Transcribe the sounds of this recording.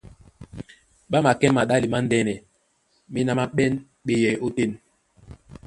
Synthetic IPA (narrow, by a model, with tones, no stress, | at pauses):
ɓa˦ma˨kɛ˦ma˨ɗa˦li˨ma˦n˦dɛ˦nɛ˨ | mi˦na˦ma˦ɓɛ˦n | ɓe˦jɛ˨o˦te˦˨n